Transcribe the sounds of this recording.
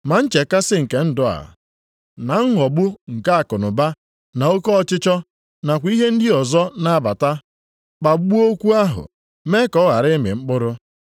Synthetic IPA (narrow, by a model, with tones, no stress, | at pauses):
ma˨n̩˦t͡ʃe˨ka˦sɪ˦ŋ̩˨ke˦n̩˦dʊ˨a̰˨ | na˨ŋ̩˦ɦɔ˨ɡ͡bʊ˦ŋ̩˨ka˦a˨kʊ˨nʊ˨ba˦ | na˨o˦kɔ˦ɔ˦˨t͡ʃɪ˦t͡ʃɔ˦ | na˨kʷi˦ɦe˦n̩˦dɪ˦ɔ˨zɔ˦na˨˦ba˨ta˦ | k͡pa˨˦ɡ͡bu˦o˦kʷu˦a˦ɦʊ̰˨ | me˦kɔ˦ɣa˨ɾɪ˦mɪ̰˨ŋ͡m̩˦k͡pʊ˦ɾʊ˦